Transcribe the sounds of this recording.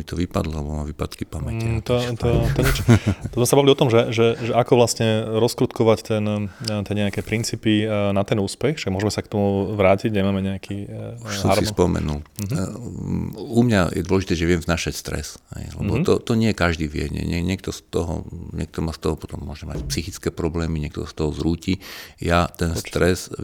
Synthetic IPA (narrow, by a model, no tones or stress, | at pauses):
mit̪ɔʋipad̪lɔlɛbɔmaʋipat̪kipamɛt̪ɔt̪ɔt̪ɔɲɪɛt͡ʃɔt̪ɔzmɛsabaʋiliɔt̪ɔmʒɛʒɛʒɛʔakɔʋlasɲɛɾɔskɾut̪kɔʋact̪ɛnt̪ɛɲɛakɛːpɾint͡siːpinat̪ɛnuːspɛxʃaɡmʊɔʒɛmɛsakt̪ɔmuʋɾaːciɟɲɛmaːmɛɲɛakʰisɔ̃aɾsispɔmɛ̰nul | umɲa̰jɛ̰d̪wɔlɛʒit̪ɛːʒɛʋɪɛmznaːʃacst̪ɾɛ̰shɛ̰jlɛ̰bɔt̪ɔt̪ɔɲɪɛɛkaʒd̪iːʋɪɛ̰ɲɛ̰ɲɛɲɪɛk̚t̪ɔst̪ɔɦɔ̰ɲɛk̚t̪ɔmaːst̪ɔɦɔpɔt̪ɔmːʊɔʒɛma̰cpsixit͡skɛːpɾɔblɛːmiɲɛk̚t̪ɔsast̪ɔɦɔzɾuːcijat̪ɛnst̪ɾɛs